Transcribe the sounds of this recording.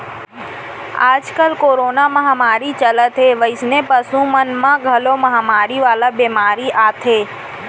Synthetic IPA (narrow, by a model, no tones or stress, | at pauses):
a̰ːd͡ʒkəlkoːɾoːnaməɦamaːɾit͡ʃələt̪ʰɦeʋəɪsnepəsũmənmãɡʱəloməɦamaːɾiʋaːlabemaːɾiʔaːt̪ʰeː